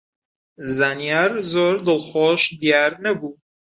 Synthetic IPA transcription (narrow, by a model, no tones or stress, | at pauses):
zaːnijaːɾzoːɾd̪ɨlˠχoːʃd̪ijɑːɾnɐbuː